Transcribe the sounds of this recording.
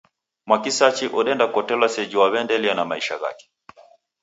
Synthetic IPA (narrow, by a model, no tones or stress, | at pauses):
mwakisat͡ʃiʔɔɗɛndakɔtɛlasɛd͡ʒiwaβɛndɛlianamaiʃa̰ɣa̰kɛ̥